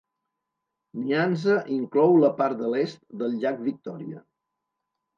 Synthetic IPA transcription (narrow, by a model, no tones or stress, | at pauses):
nianzəʔiŋklɔwləpaɾt̪̚d̪əlest̪̚d̪əlˠʎak̚βik̚t̪ɔɾiə̰